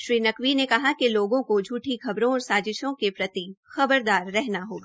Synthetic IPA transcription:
ʃɾiːnɐkʋinekɐɦakiloːɡõkod͡ʒʱuːʈʰixɐbɾõɔːɾsaːd͡ʒɪʃõkepɾɐt̪ixɐbəɾd̪aːɾːɛɦnaɦoːɡaː

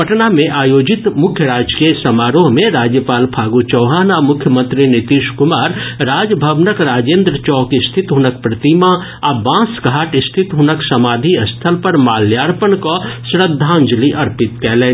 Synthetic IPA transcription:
pɐʈnamẽʔaːjoːd͡ʒɪt̪mʊkʰjəɾaːd͡ʒkesɐmaːɾõɦmẽɾaːd͡ʒjəpaːlpʰaːɡut͡ʃɔːɦaːnamʊkʰjəmə̃nt̪ɾinɪt̪iːʃkʊmaːɾɾaːd͡ʒbʱəʋnəkɾaːd͡ʒẽːnd̪ɾət͡ʃɔːkɪst̪ʰɪt̪ɦʊnək̚pɾɐt̪ima | abãːsɡʱaːʈɪst̪ʰɪt̪ɦʊnəksɐmaːd̪ʱiɐst̪ʰəlpɐɾmaːljaːɽpəɳkosɾəd̪ʱːãːnd͡ʒliʔɐɾpɪt̪kɛːlẽː

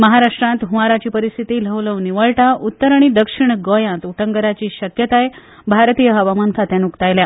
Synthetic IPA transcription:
məɦaɾaʂʈɾãnt̪ɦuʋaɾat͡ɕiːpəɾist̪ʰit̪iːl̤əʋləʋniʋəɭʈaut̪ːəɾaɽ̃id̪əkʂiɳɡojãnt̪uʈʰəŋɡəɾat͡ɕiːɕəkjət̪aje | bʱaɾt̪ijəɦəʋamankʰat̪janukt̪ajlja

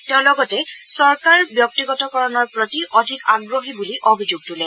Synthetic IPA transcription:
tɛʊ̃lɔɡɔtɛsɔɹkaɹbjɔk̚tiɡɔtɔkɔɹɔnɔɹpɹɔtiʔɔdʱikaɡɹoɦibuliʔobʱizuɡ̚tulɛ

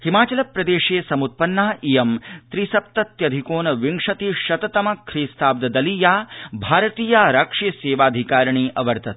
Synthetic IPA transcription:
himaːt͡ʃɐlɐpɾɐd̪eːʂeːsɐmut̪̚pɐnːaːʔijɐmt̪ɾisɐp̚t̪ɐt̪jɐd̪ʱikoːnɐʋiŋʂɐt̪iʃɐt̪ɐt̪ɐmɐkʰɾiːst̪ʰaːb̚d̪ɐd̪ɐliːjaːbʱaːɾɐt̪iːjaːɾaːkʂiːseːʋaːd̪ʱikaːɾɐɳiːʔɐʋɐɾt̪ɐt̪

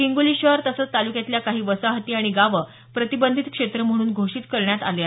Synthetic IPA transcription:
kiŋɡuliːɕəɦɾt̪əsət͡st̪alukjat̪ljakaɦiːʋəsaɦət̪iːaɽ̃iɡaʋə | pɾət̪ibənd̪ʱit̪kʂet̪ɾəm̤əɽ̃uːnɡʱoʂiːt̪kəɾɳjat̪ale

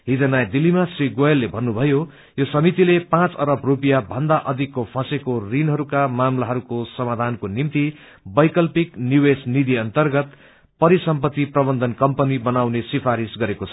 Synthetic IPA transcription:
ɦid͡zʌnajd̪ilːimasriɡoelːebʱʌnːubʱʌjo | josʌmit̪ilepãt͡sʌɾʌbrupijabʱʌnd̪aʔʌd̪ʱikːopʰãsekorinɦʌɾukamamlaɦʌɾukosʌmad̪ʱankonimt̪i | bʌjkʌlpiknjuwesnid̪ʱiʌnt̪ʌrɡʌt̪ | pʌɾisʌmpʌt̪ːiprʌbʌnd̪ʱʌnkʌmpʌnibʌnawnesipʰaɾisɡʌɾekot͡sʰʌ̥

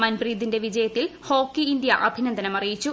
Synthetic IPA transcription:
mɐnbriːd̪inde̞ʋid͡ʑɐjɐt̪ːilho̞ːkːiːnd̪jɐʔɐbʱinɐnd̪ʱɐnɐmɐrijit͡ɕːu

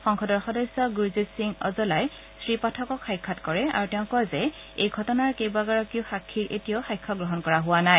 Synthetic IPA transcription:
xɔŋxɔdɔɹxɔdɔjsɔɡizisiŋɔ̰zɔlaj | sɹipatʰɔkɔkxajkʰːatkɔɹɛa̰ɹutɛʊ̃kɔjzɛ | ejɡʱɔtɔnaɹkejbaɡaɹɔkioxakʰːiɹʔḛtijoxajkʰːɔɡɹɔɦɔnkɔɹaɦʊwanaj

